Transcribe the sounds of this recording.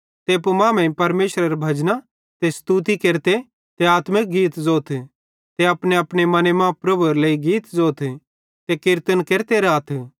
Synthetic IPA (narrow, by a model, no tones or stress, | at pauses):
t̪eːpumãːmẽpɐɾmeːʃɾɐɾebʱɐd͡ʒna | t̪est̪ut̪̬ikeːɾt̪e | t̪eaːt̪mɪk̚ɡiːt̪zoːt̪ʰ | t̪eɐpneɐpɽemɐnemãpɾɐbuɐɾleːiɡiːt̪zoːt̪ʰ | t̪ekɪɾt̪ənkeːɾt̪eɾaːt̪ʰ